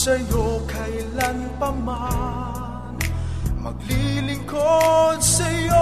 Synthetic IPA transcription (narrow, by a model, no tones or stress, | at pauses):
sɐjokɐjlaŋpɐma | nmɐ̰ɡ̚lilɪŋkod̪̚sɐjo